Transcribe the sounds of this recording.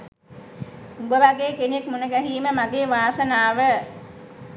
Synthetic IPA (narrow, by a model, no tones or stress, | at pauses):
ubəʋaɡeːkenekmunəɡæɦiːməmaɡeːʋaːsənaːʋə